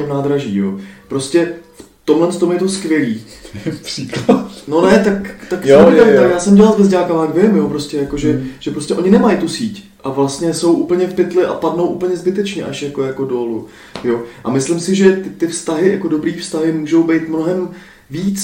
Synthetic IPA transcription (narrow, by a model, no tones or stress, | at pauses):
ɛmnaːd̪ɾaʒḭːjo̰ːpɾo̞scɛf | t̪omlɛnst̪omjɛt̪oskvjɛliː | priklat̪no̞nɛt̪akt̪ak̪aɪt̪akjaːsɛmɟɛlalzvɛzɟaːkamaɡvɪmjo̞pɾoscʲɛjako̞ʒɛʒ̥ɛpɾoscɛʔo̞ɲɪnɛmajɪt̪usiːc | ʔavlast̪ɲɛso̞wʔuːpl̩ɲɛfpɪt̪lɪʔa̰padno̞wʔupl̩ɲɛzbɪt̪ɛt͡ʃɲɛʔaʃjako̞jako̞doːlu | jo̞ʔa̰mɪslɪmsɪʒɛt̪ɪt̪ɪfst̪aɦɪjakodo̞bɾiːfst̪aɦɪmuːʒo̞wbɛjt̪mno̞ɦɛm | viːt͡s